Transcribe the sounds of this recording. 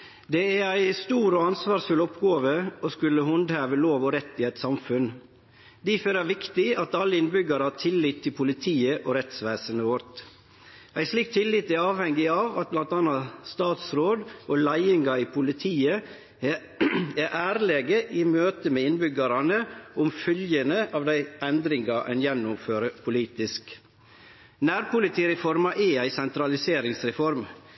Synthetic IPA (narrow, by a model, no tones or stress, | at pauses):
d̪ɛæɾæɪst̪uːɾɔɑnsʋɑːsfʉlɔpɡoːʋəɔskʉlːəhʊnd̪hæːʋəloːʋɔɾɛt̪ːɪæɪt̪sɑmfʉn | d̪iføːɾæɾʋɪkt̪ɪɑt̪ɑlːəɪnbʏɡɑɾəhɑːɾt̪ʰɪlːɪt̪ʰːɪlpʰʊlɪt̪ʰiːəʔɔɾɛt̪sʋæːsənəʋɔɾt̪ | ʔæɪsliːk̚t̪ʰːɪlːɪt̪ːɪɑːʋhɛŋɡɪɑːʋɑt̪̚blɑnt̪ɑːnɑst̪ɑːt̪sɾoːd̪ʔoːlæɪɪŋɑiːpʰʊlɪt̪ʰiːə | æʔæːɾleːɡəʔɪmøːt̪əmeːɪnbʏɡɑɾɑnəʊmfœljənəʔɑːʋd̪æɪʔɛnd̪ɾɪŋɡɑʔɛ̰njɛnːʊmføːɾəpʰʊliːt̪ɪsk | næːɾpʊlɪt̪ʰiːɾɛfɔɾmɑʔɛæɪsɛnt̪ɾɑlɪseːɾɪŋsɾɛfɔɾm